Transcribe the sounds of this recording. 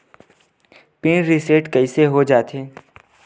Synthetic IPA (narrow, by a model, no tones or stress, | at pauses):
pɪnɾɪseːʈkɐiseɦod͡ʒaːt̪ẽː